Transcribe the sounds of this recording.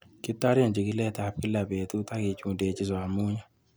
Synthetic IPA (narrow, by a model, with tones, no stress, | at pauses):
kɪ˦ta˦ɾja˨nd͡ʒi˨kɪ˦lɛ˦˨ta˨p̚kɪ˦la˨be˨t̪u˦ta˦kɪ˨˦t͡ʃu˦˨de˨t͡ʃɪ˦za˨ɾmu˦ɲa˦